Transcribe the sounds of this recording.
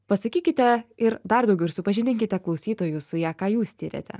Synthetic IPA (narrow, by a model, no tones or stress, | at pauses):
pɐsɐkʲiːkʲɪt̪ʲɛɪɾd̪ɐɾd̪ɐʊɡʲɛʊɪɾsʊpɐʒʲɪnʲɪŋʲkʲɪt̪ʲɛklˠɒʊsʲiːt̪oːjʊsʊjæːkɑːjuːssʲt̪ʲiːɾʲḛt̪ʲɛ̰